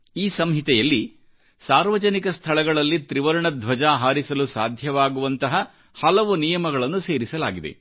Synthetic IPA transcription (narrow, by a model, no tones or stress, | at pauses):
iːsɐmɦit̪ɛjɐlːi | saːɾʋɐd͡ʒɐnikɐst̪ʰɐɭɐɡɐɭɐlːit̪ɾiʋɐɾɐɳɐd̪ʱʋɐd͡ʒaːɦaːɾisɐlusaːd̪ʱjɐʋaːɡuʋɐnt̪ɐɦɐ | hɐlɐʋunijɐmɐɡɐɭɐnːuse̞ːɾisɐlaːɡid̪e̞̰